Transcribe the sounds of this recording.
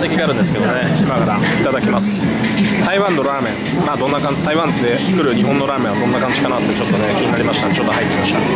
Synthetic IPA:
se̞kʲiɡ̪eaɾɯ̟̃nd̪esɨ̥ke̞d̪omoneimakaɾa̰it̪ad̪akʲimasɨ̥ | t̪aiβãnːo̞ɾaːmẽ̞ | maːd̪õ̞nːakãt̪aiβãnt̪ːe̞t͡sɨ̥kɯ̟ɾɯ̟ɲ̟iɦõ̞nːo̞ɾaːmẽβad̪õ̞nːakãɲ̟d͡ʑi̥kanat̪ːet͡ɕo̞t̪ːo̞ne̞kʲiɲ̟inaɾʲimaɕit̪at͡ɕo̞t̪ːoɦait̪ːemaɕi̥t̪a̰

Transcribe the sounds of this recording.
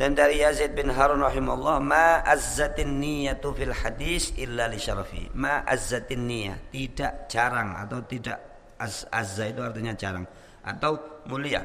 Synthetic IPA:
d̥andaɾijazit̪̚bɪnɦaɾunrɑħimaulːɑhmaʔazːat̪nːijat̪filħad̪iːsʔɪlːaliʃɑɾˤfḭmaʔazːat̪nːija̰t̪idaʔd͡ʒaɾaŋa̰t̪awt̪idaʔ | azazait̪uart̪iɲad͡ʒaɾa̰ŋ | ʔa̰t̪awmulia̰

